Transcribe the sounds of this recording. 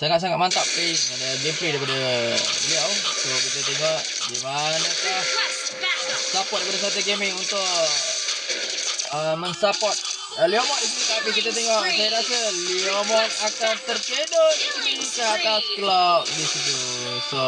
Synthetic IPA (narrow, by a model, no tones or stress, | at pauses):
saŋaʔs̬aŋatʔmant̪aʔpeŋanəɡɛmplidajpadəliawsokit̪at̪eŋɔʔ | dimanəka | sapɔt̪̚dajipadas̬at̪̬uɡemɪŋunt̪ʊʔ | əmənsapɔt̪̚ | əliɔmɔʔ̪isnit̪apik̬it̪at̪̬eŋɔʔsajaɾasəliomɔt̪akat̪ərpedɔit̪unikəat̪askəlaʔdisit̪u | so